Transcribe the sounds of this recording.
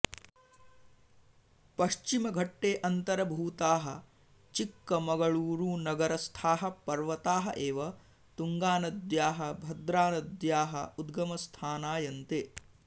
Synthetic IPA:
pɐʃt͡ʃimɐɡʱɐʈːeːʔɐnt̪ɐɾɐbʱuːt̪aːɦɐ | t͡ʃikːɐmɐɡɐɭuːɾuːnɐɡɐɾɐst̪ʰaːɦɐ̆pɐɾʋɐt̪aːɦɐ̰ʔeːʋɐ | t̪uŋɡaːnɐd̪jaːɦɐbʱɐd̪ɾaːnɐd̪jaːɦɐ̰ud̪ɡɐmɐst̪ʰaːnaːjɐnt̪eː

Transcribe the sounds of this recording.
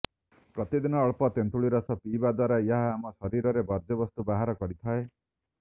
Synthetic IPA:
pɾɔt̪id̪inɔːɭpɔt̪ent̪uɭiɾɔsɔpiːbad̪waɾajaɦaːmɔsɔɾiɾɔɾebɔɾd̪ɔbɔst̪ubaɦaɾɔkɔɾit̪ʰae

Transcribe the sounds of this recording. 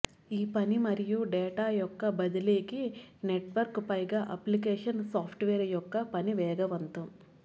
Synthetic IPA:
iːpɐnimɐɾijuɖɛːʈaːjɔkːɐbɐd̪ɐleːkineʈʋɐɾkpɐjɡaːʔɐ̰plik̬eːʂɐnsaːpʰʈʋeːɾɐjɔkːɐpɐniʋɛːɡɐʋɐnt̪ɐm

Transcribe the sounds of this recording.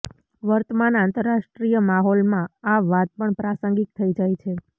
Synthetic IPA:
ʋəɾt̪əmanãnt̪əɾːaʃʈɾijəmaɦɔlmãaʋat̪̚pəɳpɾasə̃ŋɡik̚t̪ʰəid͡ʒajt͡ʃʰe

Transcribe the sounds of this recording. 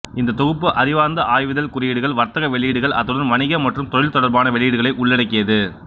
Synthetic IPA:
ɪnd̪ɐt̪ɔɣɯpːɯʔɐɾɪʋaːnd̪ɐʔaːjʋɯðɐlkʊrɪjɪɽɯɣɐɭʋɐɾt̪ɐɣɐʋɛɭɪjɪɽɯɣɐɭʔɐðɯɽɐnʋɐɳɪɣɐmɐʈrɯmt̪ɔɻɪlt̪ɔɽɐɾbaːnɐʋɛɭɪjɪɽɯɣɐɭɐɪʔʊɭːɛɽɐkːɪjɐðɯ

